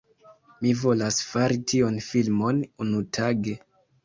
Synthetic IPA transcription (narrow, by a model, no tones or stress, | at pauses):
mivo̞lasfaɾitionfilmo̞nunutʰaɡe̞